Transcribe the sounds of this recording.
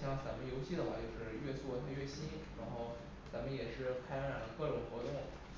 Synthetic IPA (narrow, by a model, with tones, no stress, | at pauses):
jɑ˥˩ŋt͡sa˧˥mə˧njo˧˥ʊɕi˥d̪ə˨˩wa˥˧˩t͡ɕjo˥˧ʊʂɻ̩˥˧ɥɛ˥˧swt̪ʰa˥˧ɥɛ˥˩ɕi˥nɻa˧˥xo˥˩ʊ | t͡sa˧˥mə˧njɛ˨˩ʂɻ̩˥˧pʰa˥ɪ˥a˥˩˧kɤ˥˩ʈ͡ʂʊ˨˩ŋxwɔ˧˥t̪ʊ˥˩ŋ